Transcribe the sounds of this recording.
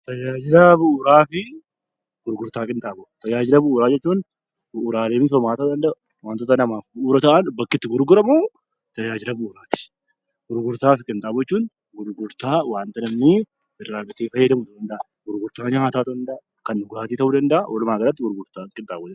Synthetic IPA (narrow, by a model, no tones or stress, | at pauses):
t̪ɐd͡ʒaːd͡ʒɪlɐbʊːɾaːfɪ | ɡ̥ʊɾɡʊɾt̪aːkʼɪnt̪ʼaːbɔt̪ɐd͡ʒaːd͡ʒɪlɐbʊʔʊːɾaːd͡ʒɛt͡ʃːuːn | bʊʔːɾaːleːmɪsɔmaːt̪ɐd̪ɐnd̪ɐʔɐ | waːnt̪ɔt̪ːɐnɐmaːfbʊʔʊɾɐt̪ɐʔɐnbɐkːɪt̪ːɪɡʊɾɡʊɾɐmu | t̪ɐd͡ʒaːd͡ʒɪlɐbʊʔːɾaːt̪ɪ̥ | ɡ̥ʊɾɡʊɾt̪aːfɪkʼɪnt̪ʼaːbɔɛt͡ʃːuːn | ɡʊɾɡʊɾt̪aːwaːnt̪ɐnɐmnɪ | ɪrːaːɡɐt̪eːfɐjːɛd̪ɐmʊd̪d̪ɐnd̪ɐʔa | ɡ̥ʊɾɡʊɾt̪aːɲaːt̪aːt̪ʊɐnd̪ɐʔ | kɐnːʊɡʊɾaːt̪iːt̪ɐhuːd̪ɐnd̪ɐʔawɐlʊmaːɡɐlɐt̪ːɪɡʊɾɡʊɾt̪aːkʼɪnt̪ʼaːbɔd͡ʒ